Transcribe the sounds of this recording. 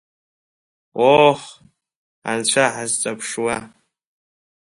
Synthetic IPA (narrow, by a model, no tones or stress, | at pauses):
oħ | a̰nt͡ɕʷʰaʕazt͡sʼapʰʂwa